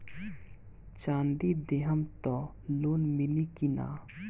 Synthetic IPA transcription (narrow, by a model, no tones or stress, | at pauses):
t͡ʃaːnd̪id̪eɦəmt̪ɔ | loːnmilikina̰